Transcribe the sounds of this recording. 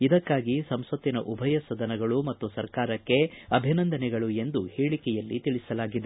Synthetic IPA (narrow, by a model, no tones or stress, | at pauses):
id̪ɐkːaːɡisɐmsʋɐt̪ːinɐʔubʱɐjɐsɐd̪ɐnɐɡɐɭumɐt̪ːusɐɾkaːɾɐkːe̞ɐbʱinɐnd̪ɐnɛɡɐɭue̞nd̪uheːɭikɛjɐlːit̪iɭisɐlaːɡid̪e